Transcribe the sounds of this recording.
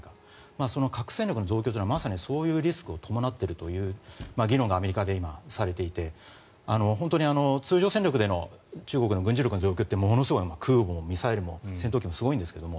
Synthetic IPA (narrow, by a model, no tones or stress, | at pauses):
ka | maso̞no̞kʰakɯ̟̥sẽɲʲokɯ̟no̞zoːkʲot̪̬ːinamasaɲ̟iso̞ːjɯ̟ːɾʲisɨ̥kɯ̟o̞t̪ʰo̞mo̞nat̪ːe̞ɾɯ̟t̪o̞jɯ̟ːmaɡʲiɾõ̞ŋɡaːme̞ɾʲikad̪e̞imasaɾe̞t̪e̞it̪e̞ | ano̞ɦõ̞nt̪o̞ɲ̟iano̞t͡sɨːʑo̞ːseɲʲɾʲjo̞kɯ̟d̪e̞no̞̰t͡ɕɨːɡokɯ̟noɡɯ̃ɲ̟d͡ʑiɾʲokɯnzo̞ːkʲo̞ːt̪ːemo̞no̞sɨɡoimakʰɯ̟ːboomʲisaeɾɯ̟mo̞sent̪oːkʲimo̞sɨɡo̞ĩnd̪eskeomo